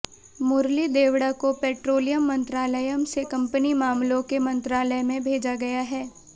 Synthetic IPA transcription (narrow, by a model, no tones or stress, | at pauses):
mʊɾlid̪eːwɽakopɛːʈɾoːlijəmːɐ̃nt̪ɾaːləjəmsekɐ̃mpənimaːmlõkemɐ̃nt̪ɾaːləjmẽbʱeːd͡ʒaɡɐjaɦɛː